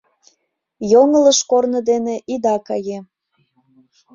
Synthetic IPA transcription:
joŋələʃkornə̆d̪eneʔid̪ɑkɑje

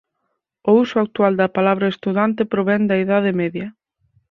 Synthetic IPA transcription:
ousʊak̚t̪uald̪ɐpalaβɾɐest̪uðant̪epɾoβɛnd̪ɐiðaðemɛðjɐ

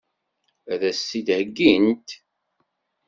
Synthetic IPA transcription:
æðæsːid̪həɡːint̪

